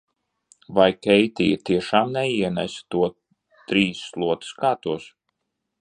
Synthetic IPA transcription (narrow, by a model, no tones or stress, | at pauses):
vajkʲɛjt̪ʲḭjɐt̪iɛʃaːmnɛiɛnæst̪uɔ | t̪ɾiːslˠuɔt̪u̥skaːt̪uɔs